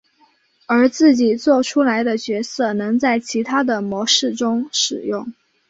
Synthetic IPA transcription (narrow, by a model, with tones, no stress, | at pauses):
ə˞˧˥t͡sɹ̩˥˩t͡ɕi˨˩t͡swɔ˥˩ʈ͡ʂʰu˥la˧˥ɪd̪ə˧t͡ɕɥɛ˧˥sɤ˥˩nɤ˧˥ŋt͡sa˥˩ɪt͡ɕʰi˧˥t̪ʰa˥d̪ə˨mwɔ˧˥ʂɻ̩˥˩ʈ͡ʂʊ˥ŋʂɻ̩˨˩jʊ˥˩ŋ